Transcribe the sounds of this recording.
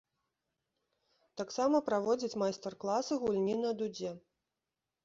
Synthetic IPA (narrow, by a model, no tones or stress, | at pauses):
t̪aksamɐpɾavɔd͡zʲɐt͡sʲmajst̪ɛrklˠasɨɣulʲnʲinɐd̪ud͡zʲɛ